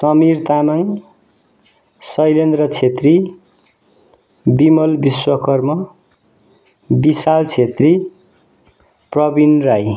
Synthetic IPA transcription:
sʌmirt̪anaŋ | sʌjlend̪rʌt͡sʰet̪ri | bimʌlbiswʌkʌrmʌ | bisalt͡sʰet̪ri | prʌbinraj

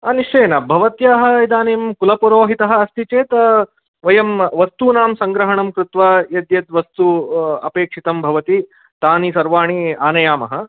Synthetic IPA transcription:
ɐniʂt͡ʃɐjnɐbʱɐʋɐt̪jaːɦɐ̆id̪aːnimkulɐpuɾoːɦit̪ɐɦɐ̆ɐst̪ʰit͡ʃeːt̪ɐ | ʋɐjɐmʋɐst̪uːnaːmsɐŋɡɾɐɦɐɳɐmkɾut̪ʋaːjɐd̪jɐt̪ʋɐst̪uɐ̰peːkʂit̪ɐmbʱɐʋɐt̪i | t̪aːnisɐɾʋaːɳiaːnɐjaːmɐɦɐ

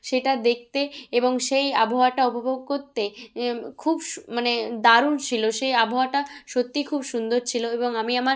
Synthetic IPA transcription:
ʃeʈad̪ek̚ʰt̪eeboŋʃeja̰bʱooaʈaobʱaboɡ̚koɾt̪ekʰubmaned̪aɾunt͡ɕʰiloʃejabʱooaʈaʃot̪ːikʰubʃund̪oɾt͡ɕʰiloeboŋamiamaɾ

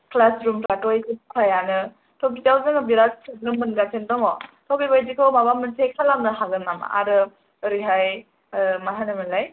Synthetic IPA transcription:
klasɾumkɾatojsipkʰajanɯ | tʰɔbid͡ʒawzɯŋɯbiɾassʰɯzɾumbɯnɡatʰendɔŋɔtʰɔbibajdikʰɔwmabamɯntʰejkʰalamnɯhaɡɯnama̰a̰ɾɯ | ɾiɦaj | maɦanɯmɯlaj

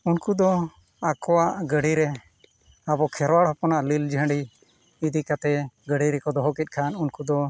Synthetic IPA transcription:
unkud̪ɔ | akɔwaʔɡəɽiɾɛ | abɔkʰɛɾwaɽhɔpɔnaʔlild͡ʒəɦəɳɖi | id̪ikat̪ɛɡəɽiɾɛkɔd̪ɔɦɔkit̪̚ˀkʰanunkud̪ɔ

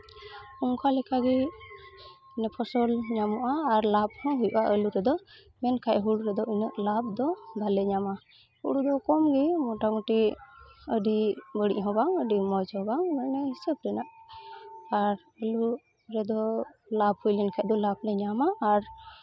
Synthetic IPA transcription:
kuŋkʰalɛkʰaɡɛ | nɛpʰɔsɔlɲamɔʔaːɾlab̚hɔ̃ɦujuʔaʔəluɾɛd̪ɔ | mɛnkʰajɦuɽuɾɛd̪ɔinəʔlab̚d̪ɔd̪alɛɲama | huɽud̪ɔkɔmɡɛmɔʈamuʈi | əɖibəɽḭʔɦɔ̃baŋəɖimɔd͡ʒhɔbaŋmɔnɛɦisəbɾɛnaʔ | aɾ | əlu | ɾɛd̪ɔlabhujlɛnkʰɛʔ̚d̪ɔlab̚ɾɛɲamaːɾ

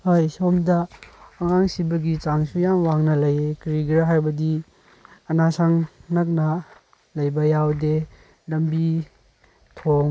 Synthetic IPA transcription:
hajsomdɐːŋaŋsibɐɡit͡ʃaŋsujamwaŋnɐlɐjekɾiɡɾaɦajbɐdi | ɐnasʰaŋnɐk̬̚nɐ | lɐjbɐjawde | lɐmbi | tʰoŋ

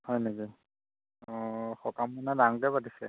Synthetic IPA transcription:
hɔjneki | ɔxɔkamɔnadaŋkɛpatisɛ̰

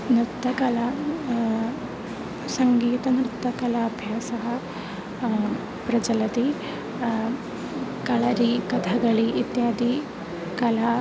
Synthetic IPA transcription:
nɾt̪ːɐkɐla | sɐŋɡiːt̪ɐnɾɨt̪ːɐkɐlaːbʱjasɐɦɐ | pɾɐd͡ʒɐlɐt̪i | kɐɭaɾiːkɐt̪ʰaɡɐɭiʔit̪jaːd̪i | kɐla

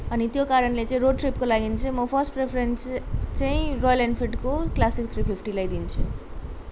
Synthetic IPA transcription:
ʌnit̪jokaɾʌnlet͡saĩɾoɖʈripkolaɡint͡sʰʌĩmʌpʰʌrsʈprepʰɾenst͡saĩrojʌlanfʰiʈkoklasikt̪ʰripʰipʰʈilajd̪int͡sʰu

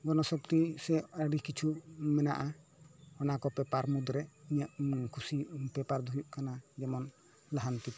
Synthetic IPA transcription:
ɡɔɾnɔsɔpt̪isɛaɖikit͡ʃʰumɛna̰ʔahɔnakɔpɛpaɾmud̪ɾɛiɲaʔkʰusipɛpaɾd̪ʱujuʔkanad͡ʒɛmɔn | laɦant̪it̪

